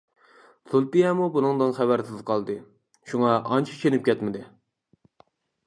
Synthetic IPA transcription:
z̥ulˠt̪ijɛmubunɨŋd̪ɨnχæbæɾsɪzqʰɑlˠd̪ɨ | ʃuŋɑʔɑnt͡ʃʰi̥t͡ʃʰenɪp̚kʲʰɛt̪mɪd̪ɪ

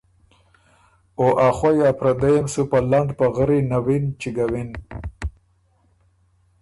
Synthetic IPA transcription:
oʔaχwajapɾad̪ajamsupaland̪paɣəɾinawint͡ʃiɡawin

